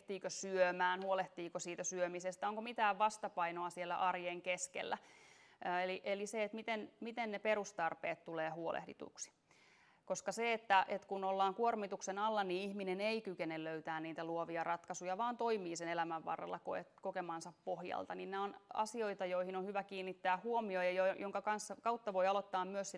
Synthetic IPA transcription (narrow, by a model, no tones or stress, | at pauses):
t̪iːkøsyømæːnhuoleht̪iːkosiːt̪æsyømisest̪æoŋkomit̪æːʋʋɑst̪ɑpɑinoɑsielːæ̰ʔɑrjeŋkeskḛlːæ | eliʔeliseet̪mit̪enmit̪enneperust̪ɑrpeːt̪t̪uleːhuolʔḛhdḭt̪ṵksi̥ | koskɑseet̪ːæʔet̪kunolːɑːŋkuormit̪uksenɑlːɑniːihmineneikykenelløyt̪æːnniːt̪æluoʋiɑrɑt̪kɑsujɑʋɑːnt̪oimiːsenelæmæʋʋːɑ̰rːɑ̰lːɑkoetkokemɑnsɑppohjɑ̰lt̪ɑninneonɑ̰sioit̪ɑjoihinonhyʋækiːnːit̪ːæːhuomiojɑjojoŋkɑkɑnsːɑkɑut̪ːɑʋoiɑlot̪ːɑːmmyøssi